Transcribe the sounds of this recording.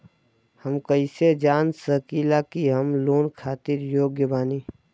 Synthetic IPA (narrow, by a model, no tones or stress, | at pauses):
həmkəɪsed͡ʒaːnsəkiːlakiɦəmloːnkʰaːt̪ɪɾjoːɡjəbaːniː